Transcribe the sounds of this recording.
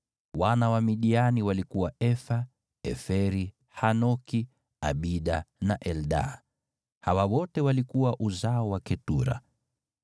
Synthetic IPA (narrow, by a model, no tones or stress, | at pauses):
wanawamiɗianiwalikuwaɛfa | ɛfɛɾi | hanɔki | a̰ɓiɗanaʔɛlɗa̰ | hawawɔtɛwalikuwaʔuzaɔwakɛtuɾa̰